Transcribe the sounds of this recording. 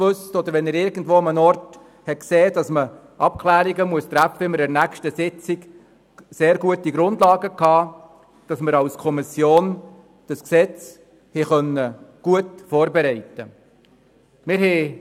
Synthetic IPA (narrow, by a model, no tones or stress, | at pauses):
ʋɵstɔd̪əɾʋɛnɪɾɪɾɡn̩dʋoːɑmənɔrt | hɛkseːd̥ɑsmə | ʔɑp̚kʰlæːɾiɡəmuəst̪ɾæpfəɪmɪɾɛɾnækʃtəsɪt͡siɡ̥ | seːɾɡuətiɡɾʊndlɑːɡəkɑː | d̥ɑsməɾɑwskʰɔmɪsjoːn | d̥ɑsksɛt͡s | hɛχœnːəɡ̥uətfɔːɾbeɾɛɪtːə | mɪɾhɛ